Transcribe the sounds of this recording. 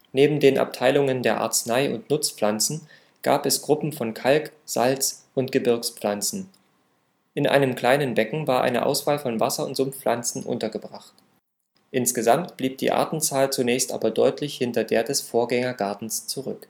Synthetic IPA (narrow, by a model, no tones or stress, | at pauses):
neːbm̩deːnʔa̰p̚tʰaɪlʊŋəndeːɐʔa̰ɐt͡snaɪʔʊ̰ntnʊt͡sp͡flant͡sn̩ | ɡ̥a̰ːpɛsɡ̥ʁʊpm̩fɔnkʰalkz̥a̰lt͡sʔʊntɡ̥əbɪɐkslant͡sn̩ | ʔɪnʔa̰ɪnəmkl̥aɪnənbɛkŋ̩vaːɐʔa̰ɪnə̰ʔa̰ʊsv̥aːlfɔnvasɐʊ̰ntz̥ʊmlʔant͡sn̩ʔʊ̰ntɐɡəbʁaχt | ʔɪnsɡ̥əzamtb̥liːp̚d̥ḭːʔa̰ɐtn̩t͡saːlt͡sunɛːçstʔa̰ːbɐdɔʏtʰlɪçhɪntɐdeːɐdɛsfoːɐɡɛŋɐɡaɐtn̩st͡suʁʏ̰k